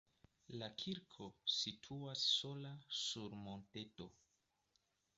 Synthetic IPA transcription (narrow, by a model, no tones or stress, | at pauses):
lakʰiɾkʰo̞sitʰuasːo̞lasuɾmo̞nte̞to̞